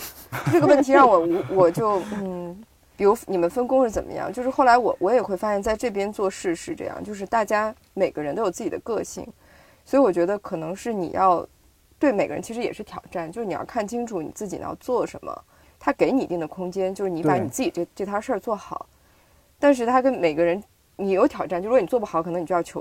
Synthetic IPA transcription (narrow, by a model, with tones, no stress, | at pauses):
ʈ͡ʂɤ˥˩ɡə˧wə˥˩nt̪ʰi˧˥ɻɑ˥˩ŋwɔ˨˩u˧˥wɔ˨˩t͡ɕjo˥˩ʊn̩˥˩ | pi˨˩ɻu˧˥ni˨˩mə˦nfə˥nkʊ˥ŋʂɻ̩˥˩t͡sə˨˩nmʔə̰˦jɑ̰˥˧ŋt͡ɕjo˥˧ʊʂɻ̩˥xʊla˧˥ɪwɔ˨˩wʔɔ˧˥jɛ˨˩xwe˥˩ɪfa˥ɕjɛ˥˧nt͡sa˥˧ɪʈ͡ʂɤ˥˩p̬jɛ˥nt͡swɔ˥˧ʂɻ̩˥˧ʂɻ̩˥˧ʈ͡ʂɤ̰˥˧jɑ̰˥˧ŋt͡ɕjo˥˧ʂɻ̩˥˧t̪a˥˩t͡ɕja˥ | me˨˩ɪɡ̥ə˧˦ɻə˧˥nt̪o˥jo˨˩t͡s̩˥˩t͡ɕi˨˩ə˦˥kɤ˥˧ɕḭ˥˩ŋ | swɔ˧˥i˧˥wɔ˨˩t͡ɕɥɛ˧˥d̪ə˧kʰɤ˨˩nɤ˧˥ŋʂɻ̩˥˩nḭ˨˩jɑ˥˧ʊ | t̪we˥˩ɪme˨˩ɪɡə˧ɻə˧˥nt͡ɕʰi˧˥ʂɻ̩˧˥jɛ̰˨˩ʂɻ̩˥˩t̪ʰjɑ˨˩ʊʈ͡ʂa˥˩nt͡ɕjʂɻ̩˥˩i˨˩jɑ̰˥˧kʰa˥˩nt͡ɕʰi˥ŋʈ͡ʂʰu˧˥˦nḭ˨˩t͡sɹ̩˥˩t͡ɕi˨˩˧jɑ̰˥˧ʊt͡swɔ˥˩ʂə̰˧˥nmə̰˧ | t̪ʰa˥ke˧˥ɪni˨˩i˧˥t̪i˥˩ŋd̪ə˩kʰʊ˥ŋt͡ɕjɛ˥nt͡ɕjo˥˧ʊʂɻ̩˥˩i˧˥pa˧˥ni˨˩t͡sɹ̩˥˩t͡ɕi˨˩ʈ͡ʂʈ͡ʂɤ˥˩t̪ʰja˥ʂə˥˧t͡swɔ˥˩xɑ˨˩˦ʊ | t̪a˥˧nʂ̬ɻ̩˥˩t̪ʰa˥kə˥nme˨˩ɪɡə˦ɻə˧˥n | ni˨˩jo˧˥ʊt̪ʰjɑ˨˩ʊʈ͡ʂa˥˩t͡ɕni˨˩t͡swpu˥xɑ˨˩˦kʰɤ˨˩n˧˥ŋni˨˩˧jɑ˥˩t͡ɕʰo˧˥